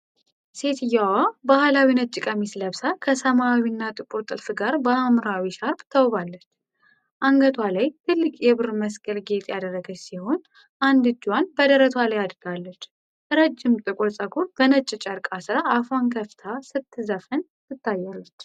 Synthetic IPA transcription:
se̞t̪ʰɨjːawabahlawinət̪̚t͡ʃʼːɨkʼəmisləβsakʰəsəmaːwinːat̪ʼɨkʼuɾt̪ʼɨlfɨɡaɾbəamɾawiʃaɾbt̪ʰəwbalːət͡ʃː | ʔaŋɡət̪ʰwalajt̪ʰɨlːɨkʼjɛβɨɾməskʼəlɡe̞t̪ʼjad̪ərːəɡəsiho̞n | ʔand̪ɨd͡ʒːwanbəd̪əɾət̪ʰwalajad̪ɾɨɡalːət͡ʃː | ɨɾəd͡ʒːɪmt̪ʼɨkʼosʼəɡʼuɾbənət͡ʃʼːɪt͡ʃʼəɾkʼasɨɾaːfankʰəft̪ʰasɨt̪ʰːɨzəfɨn | sɨt̪ʰːajːalːət͡ʃː

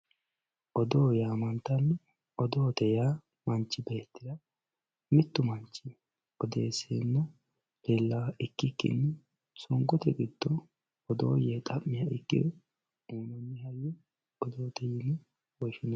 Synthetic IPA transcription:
ʔɔd̪oːjamɐnt̪ɐnːɛ | ɔd̪oːt̪ɛja | mɐnt͡ʃːɪbeːt̪ːɪd̪ɐ | mɪt̪ːʊmɐnt͡ʃːɪ | ʔɔd̪eːseːnːɛ | belːɐɪkːɪkːɪ̰nːɛ | sɔŋɡɔt̪ɛɡɪd̪̥ːɔː | d̪o̰ːjɛt̪ʼɐmːɪjaɪkːɪ̰d̪ɛ | uːnɔnːɪhɐjɛ | ɔd̪oːt̪ɛjɪnːɛ | wɔʃɪnɐ

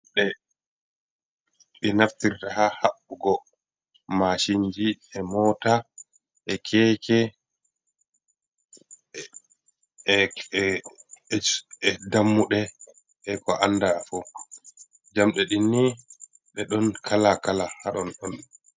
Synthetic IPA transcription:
ɗɛ | ɗɛnaftiɾtahahaɓːuɡɔ | maʃind͡ʒiɛmɔːta | ʔɛkʰɛːkɛ | ɛdamːuɗɛ | ʔɛkɔʔanːdafɔ | d͡ʒamɗɛɗinːi | ɗɛɗɔnkʰalakalahaɗɔnɗɔn

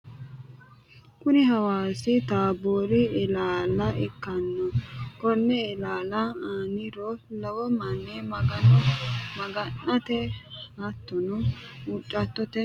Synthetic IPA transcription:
kʊnɪɦɐwaːsɪt̪aːboːɾɪɪlaːlɐɛkːɐnːɔkɔnːɛɪlaːlɐanɪɾɔlɐwɔmɐnːɛmɐɡɐnɔmɐɡɐnːɐt̪ɛhɐt̪ːɔnɔut͡ʃʼːɐt̪ːɔt̪ɛ

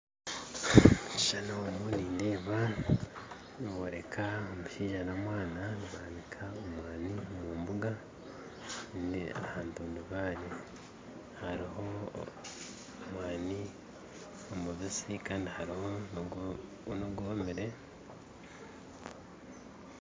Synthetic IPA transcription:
i̥ʃanoomuniːndeːβa | niβoːɾe̞kʰaomuʃiːʒanamwaːnaniβaːnikʰaomwaːniomuːmbuɡa | nḭa̰haːntuːnduβaːɾe | haɾiho̞ | mwaːni | omuβisikaːndihaɾiho̞ | noɡoːmiɾe̞

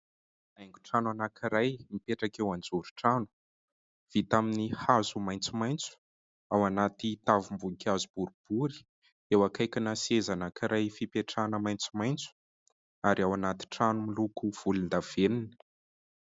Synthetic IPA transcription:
ajŋɡuʈ͡ʂanuanakʰiɾajmipeʈ͡ʂakewand͡zuɾuʈ͡ʂanu̥ | v̥it̪aminihazumajnt͡sumajnt͡su̥ | awanat̪it̪avumbuŋkʰʲazub̥uɾub̥uɾi̥ | ewakajkʲanasezanakiɾajfipeʈ͡ʂanəmajnt͡sumajnt͡su̥ | aɾiawanat̪i̥ʈ͡ʂanumilukuv̥ulind̪av̥enini̥

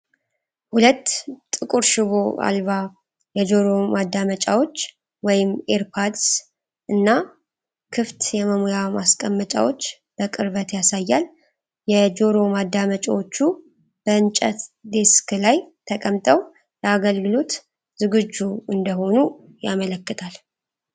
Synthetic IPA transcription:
hulət̪ːʼɨkʼuɾʃɪβo̞a̰lβa | jɛd͡ʒo̞ɾo̞mad̪ːamət͡ʃʼawo̞t͡ʃː | wɔjɪmeɾpʰad̪s | ʔɨnːa | kʰɨft̪jɛməmojamaskʼəmːət͡ʃʼa̰wo̞t͡ʃː | b̥əkʼɨɾβət̪jasajːal | jɛd͡ʒo̞ɾo̞mad̪ːamət͡ʃʼawo̞t͡ʃːu | b̥əɨnt͡ʃʼət̪d̪e̞skɨlajt̪ʰəkʼəmt̪ʼəw | jɛaɡəlɡɨlo̞t̪ | zɨɡɨd͡ʒːuɨnd̪əɦo̞nu | jamələkːɨt̪ʰal

